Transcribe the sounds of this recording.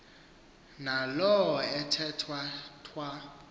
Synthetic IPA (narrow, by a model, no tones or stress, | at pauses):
nalɔɛtʰɛtʰwatʰwa